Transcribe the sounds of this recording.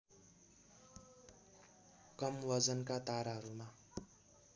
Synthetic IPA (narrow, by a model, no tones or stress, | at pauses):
kʌmwʌd͡zʌnkat̪aɾaɦʌɾuma